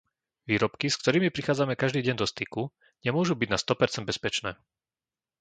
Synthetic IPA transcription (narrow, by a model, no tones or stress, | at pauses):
ʋiːɾɔpkisk̚t̪ɔɾiːmipɾixaːd͡zamɛkaʒd̪iːɟɛɲd̪ɔst̪iku | ɲɛmʊɔʒubiɟnast̪ɔpɛɾt͡sɛnd̪bɛspɛt͡ʃnɛː